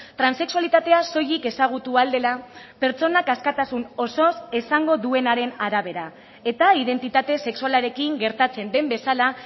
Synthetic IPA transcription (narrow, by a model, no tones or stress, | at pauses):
t̪ɾanse̞ksualit̪at̪e̞aso̞jike̞saɣ̞ut̪uald̪e̞lape̞ɾt͡so̞nakaskat̪asuno̞so̞se̞saŋɡo̞ðue̞naɾe̞naɾaβ̞e̞ɾa | e̞t̪aiðe̞nt̪it̪at̪e̞se̞ksualaɾe̞kiŋɡe̞ɾt̪at͡se̞nd̪e̞mbe̞sala